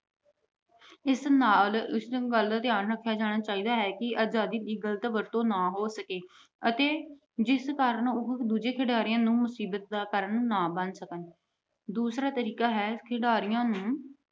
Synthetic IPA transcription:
ɪsnaːlɪsɡəld̪aːt̪ɪjaːnɾəkʰːjaːd͡ʒaːɽ̃aːt͡ʃaːiːd̪aːɦɛːkɪʔaːd͡ʒaːd̪iːd̪iːɡələt̪ʋəɾt̪õːnaːɦoːsəkeː | ət̪eː | d͡ʒɪskaːɾəɳʊd̪uːd͡ʒeːkʰɪɖaːɾɪjãːnũːmʊsiːbət̪̚d̪aːkəɾənũːnaːbənsəkən | d̪uːsɾaːt̪əɾiːkaːɦɛːkʰɪɖaːɾɪjãːnũː

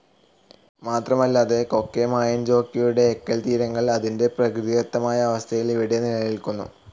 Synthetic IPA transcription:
maːt̪rɐmɐlːaːðe̞ko̞kːemaːjɐnd͡ʑo̞ːkːijuɽe̞ːkːɐlt̪iːɾɐŋːɐɭɐðinde̞prɐkrɨðiɐt̪ːɐmaːjɐːʋɐst̪ʰɐjiliʋiɽijɐnilɐjilkunːṵ

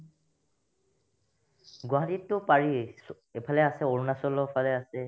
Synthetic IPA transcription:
ɡwaɦatitːʊpaɹis | epʰalɛasɛoɹunasɔlːɔpʰalɛasɛ

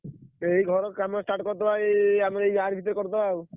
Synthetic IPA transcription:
ejɡʱɔɾokamasʈaʈkɔɾt̪ebajamaɾejaɾbʱit̪ːɔɾkɔɾt̪ebʱab

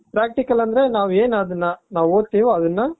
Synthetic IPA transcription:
pɾaːk̚ʈɪkːɐlɐnd̪ɾenãːʋeːnɐðɯnːanãːʋoːt̪ːiʋɐðɯnːaː

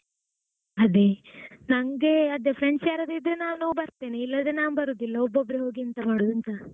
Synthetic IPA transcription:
ɐd̪enɐŋɡeɐd̪epʰɾeɳsjaːɾɐd̪id̪ɾenaːʋnubɐɾt̪eːneilːɐd̪ɾenaːnbɐɾuːd̪uilːɐobːobːɾeɦo̞ːɡiɐnt̪ɐmaːɽud̪ɐnt̪ɐ

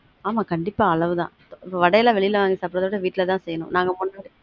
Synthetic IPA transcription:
aːmaːkɐɳɖɪpːaːɐɭɐʋɯðã̰ː | ɪpːoːʋɐɽɐjɐlãːʋɛɭɪjɪlʋaːŋɡisaːpːɪɾɐðɐʋɪɽɐʋiːʈːɪlɐt̪ãːsɛjːɐnʊ̰̃naːŋɡɐmʊɳːaːɽɯ

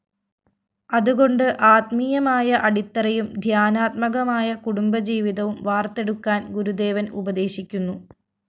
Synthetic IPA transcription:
ɐðuɣo̞ɳɖɨʔaːt̪mijɐmaːjɐʔɐɽit̪ːɐrɐjumd̪ʱjaːnaːt̪̚mɐɣɐmaːjɐkuɽumbɐd͡ʑiːʋiðɐʋumʋaːrt̪e̞ɽukːaːnɡuɾud̪e̞ːʋɐnubɐðe̞ːɕikʲːunːu

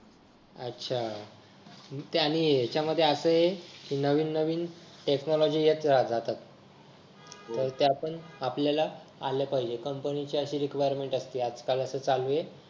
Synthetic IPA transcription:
ə̰tːɕʰa | t̪añiet͡ɕjaməd̪ʱːjeəsəːjekiːnəʋiːnːəʋiːnʈeknɔlɔd͡ʑiːjet̪ɾad͡zat̪at̪ | əɾt̪eapəɳapljalaa̰lepaɦid͡ʑekəmpənit͡ɕeəɕiːɾikʋajəɾmeɳʈəst̪iːat͡skaləsəːt͡saluje

